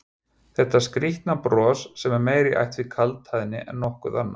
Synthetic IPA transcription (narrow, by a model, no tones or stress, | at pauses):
θɛht̪ːaskɾiht̪napɾɔːsːɛmɛɾmeːjɾɪʔa̰jht̪vɪkʰalt̪hajðɪnːɪʔɛ̰nːɔhkʏðanːa